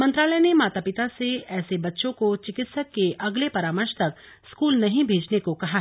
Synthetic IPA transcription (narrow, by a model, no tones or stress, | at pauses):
mɐ̃nt̪ɾaːlənemaːt̪aːpɪt̪aseɛːsebɐtːʃõkot͡ʃɪkɪt̪səkkːeʔɐɡlepɐɾaːməɾʃt̪ɐk̚ | skuːlnɐɦĩbʱeːd͡ʒnekokɐɦa